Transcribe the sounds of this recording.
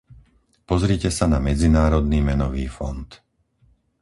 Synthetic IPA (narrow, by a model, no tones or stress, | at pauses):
pɔzɾiːcɛsanamɛd͡zinaːɾɔd̪niːmɛnɔʋiːfɔ̰nt̪